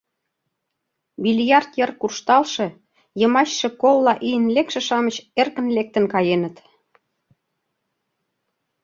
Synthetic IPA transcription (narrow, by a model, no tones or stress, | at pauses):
βilʲjɑrt̪jɤrkurʃt̪ɑlʃe̽ | jɤ̆mɑɕʃĕkolːɑʔijənlekʃĕʃɑmət͡ɕerkə̆nlek̚t̪ə̆nkɑjenə̆t̪